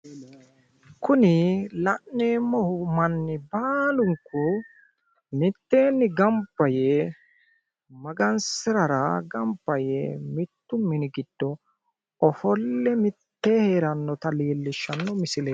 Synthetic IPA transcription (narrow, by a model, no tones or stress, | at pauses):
kʊnɪlɐʔneːmɔhʊmɐnːɪbaːlʊŋkːʊ | mɪt̪ːeːnːɪɡɐmbːɐje | mɐɡɐnsɪɾɐɾɐɡɐmbːɐjemɪt̪ːʊmɪnɪɡɪd̪̥ːɔ | ɔfɔlːɛmɪt̪ːeːheːɾɐnːɔt̪ɐleːlːɪʃːɐnːɔmɪsɪle